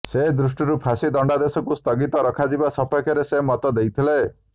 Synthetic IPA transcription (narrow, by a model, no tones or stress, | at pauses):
sed̪ɾusʈiɾupʰasid̪ɔɳɖad̪esɔkust̪ɔɡit̪ɔɾɔkʰad͡ʒibasɔpɔjkʰɔɾesemɔt̪ɔd̪ejt̪ʰile